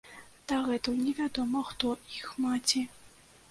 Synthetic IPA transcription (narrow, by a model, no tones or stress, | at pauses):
d̪̥aɣɛt̪ɐwnʲɛvʲad̪ɔmɐxt̪ɔixmat͡sʲi